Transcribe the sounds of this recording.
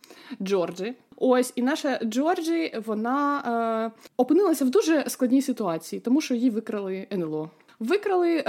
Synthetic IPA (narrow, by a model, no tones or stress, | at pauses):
d͡ʒɔrd͡ʒɪosʲinɑʃɐd͡ʒɔrd͡ʒɪʋɔnɑ | ɔpɨnɪlˠɐsʲɐwd̪uʒɛsklˠɐdʲnʲijsʲɪt̪ʊɑt͡sʲijit̪ɔmuʃt͡ʃɔjjiʋɪkɾɐlˠɪɛnɛlˠɔ | ʋɪkɾɐlˠɪ